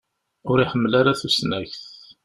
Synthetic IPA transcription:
ʊɾiħəmːlaɾaθusnæçθ

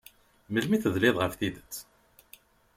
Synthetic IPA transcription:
məlmiθəðlɪðˤʁəfθiðət͡sː

